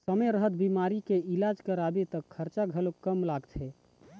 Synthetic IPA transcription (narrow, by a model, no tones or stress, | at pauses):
səmejɾəɦət̪̚bimaɾikeilad͡ʒkəɾabet̪əkʰːəɾt͡ʃaɡʱəlokːəmlaɡt͡ʃʰɛ